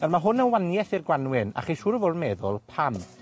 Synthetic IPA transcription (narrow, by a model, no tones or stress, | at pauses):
armaɦʊnənwanjɛθɪrɡwanwɪna̰χeʃuːɾəvodmɛðʊlˠpʰam